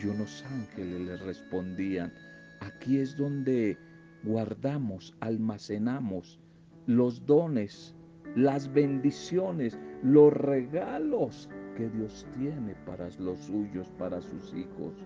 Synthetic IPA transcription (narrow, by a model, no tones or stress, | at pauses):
uno̞saŋxeleslesrespo̞nd̪ian | akiezðo̞nd̪e | ɡwaɾðamosalmasenamos | lo̞zd̪o̞nes | lazβe̞nd̪isjoneslo̞sreɣaloske̞ðjo̞st̪je̞ne̞pa̰ɾalosuʝospaɾasusixo̰s